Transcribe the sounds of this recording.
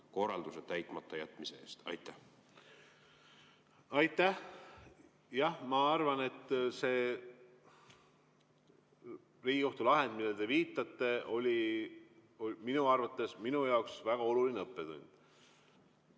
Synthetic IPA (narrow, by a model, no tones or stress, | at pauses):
ko̞rːɑ̰ld̪uset̪æjt̪ˑmɑt̪ˑːɑjæt̪ːˑmiseḛːst̪ɑ̰jt̪ːæh | ɑjt̪ˑːæh | jɑhmɑɑrvɑne̞t̪ːˑse̞ː | riːɡiko̞ht̪ulɑɦe̞nd̪̚milːed̪̥e̞viːt̪ːˑɑt̪ːe̞ʔo̞lʲi | ominuɑrvɑt̪ːe̞sminujɑoksvæɡ̥ɑo̞lulineɤpːet̪ṵnʲd̪̥